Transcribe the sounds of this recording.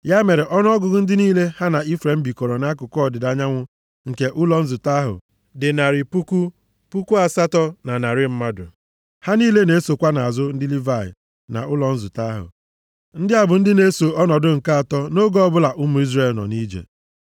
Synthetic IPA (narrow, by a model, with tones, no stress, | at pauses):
ja˦me˨ɾɪ˨ʔɔ˦n˦ɔ˦ɡʊ˨ɡʊ˦n̩˦dɪ˦niː˦le˦ha˦na˨i˦fɾe˨m̩˦bi˨kɔ˨ɾɔ˨na˦kʊ˨kʷɔ˦˨dɪ˨da˨ɲa˦ŋʷʊ˦ | ŋ̩˨ke˨ʔʊ˦lɔ˨n̩˦zʊ˨ta˦ɦʊ̰˨ | dɪ˨na˨ɾɪ˨pu˦ku˦ | pu˦ku˦a˨sa˦tɔ˦na˨na˨ɾɪ˦m̩˦ma˦dʊ̰˨ | ha˦niː˦le˦ne˨˦so˨kʷa˦na˨a˨zʊ˦n̩˦dɪ˦li˦va˦˨ɪ̰˨ | na̰˨ʊ˦lɔ˨n̩˦zʊ˨ta˦ɦʊ̰˨ | n̩˦dɪ˦a˨bʊ˨n̩˦dɪ˦ne˦so˨ɔ˦nɔ˨dʊ˦ŋ̩˨ka˦a˨tɔ˦no˦ɡɔ˦ɔ˦bʊ˦la˨ʔʊ˦mu˨˦i˦zɾe˦˨lnɔ̰˨ni˦d͡ʒḛ˨